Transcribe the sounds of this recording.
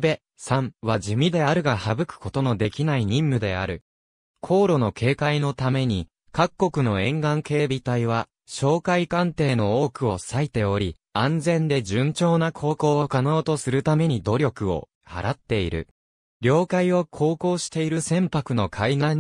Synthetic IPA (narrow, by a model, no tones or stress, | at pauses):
be̞ | sãɰβad͡ʑɨmʲid̪e̞aɾɯ̟ɡahabɯ̟kɯ̥ko̞t̪o̞no̞d̪e̞kʲinaiɲ̟ĩmːɯ̟d̪e̞a̰ɾɯ̟̰ | kʰo̞ːɾo̞no̞kʰe̞ːkaino̞t̪ame̞ɲ̟i | kakkːo̞kɯ̟no̞ẽ̞ŋɡãŋke̞ːbʲit̪aiβa | ɕo̞ːkaikãnt̪e̞ːno̞oːkɯ̟o̞sait̪e̞o̞ɾʲi | ãnd͡zẽ̞nd̪e̞ʑɨ̃ɲt͡ɕo̞ːnakʰo̞ːko̞ːokano̞ːt̪o̞sɨɾɯ̟t̪ame̞ɲ̟id̪o̞ɾʲo̞kɯ̟o̞̰ | ha̰ɾat̪ːe̞iɾɯ̟̰ | ɾʲo̞ːkaio̞kʰo̞ːko̞ːɕi̥t̪e̞iɾɯsẽ̞mpakɯ̟no̞kʰaina